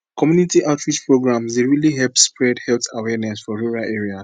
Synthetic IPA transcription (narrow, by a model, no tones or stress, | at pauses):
kɔmjunitiʔaʊtʰɹid͡ʒpɹoɡɹãmsdeɹiliɦɛlpspɹɛdhɛltawɛnɛsfɔɹuɹaʔeɹia